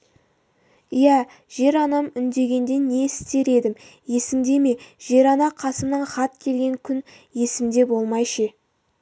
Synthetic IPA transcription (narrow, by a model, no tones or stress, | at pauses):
ijæ | ʒ̥e̞ɾɑnɑmʏnd̪e̞ɡʲe̞nd̪e̞ne̞ɪst̪e̞ɾe̞d̪ɪmje̞sɪmd̪e̞me̞ʒ̥e̞ɾɑnɑqʰɑsənəɴχɑt̪kʲʰe̞lɡʲe̞ŋkʲʰʏn | je̞sɪmd̪e̞bo̞lˠmɑjʃə